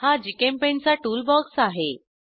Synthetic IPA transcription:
had͡ʑikempẽnt͡saʈuːlbɔɡsaɦe

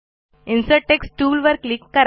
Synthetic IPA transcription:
ĩnsəʈeksʈʈuːlʋəɾklikːəɾ

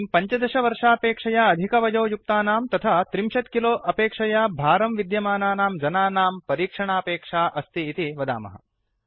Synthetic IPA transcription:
mpɐɲt͡ʃɐd̪ɐʃɐʋɐɾʂaːpeːkʂɐjaɐd̪ʱikɐʋɐd͡ʒɐːjuk̚t̪aːnaːmt̪ɐt̪ʰat̪ɾimʃɐt̪kiloːʔɐpeːkʂɐjabʱaːɾɐmʋid̪jɐmaːnaːnaːmd͡ʒɐnaːnaːmpɐɾiːkʂɐɳaːpeːkʂaːʔɐst̪iːt̪iʋɐd̪a̰ːmɐ̰ɦɐ̰

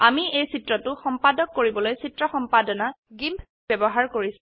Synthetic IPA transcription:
amiejsitɹɔtʊxɔmpadɔkːoɹibɔlojsitɹɔxɔmpadɔna | ɡimpʰ | bɛbɔɦaɹkoɹis

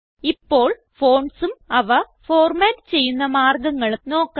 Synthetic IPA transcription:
ipːo̞ːɭ | fo̞ːɳsumɐʋɐ | foːrmaːtːɨt͡ɕe̞jːunːɐmaːrɡɐŋːɐɭno̞ːkː

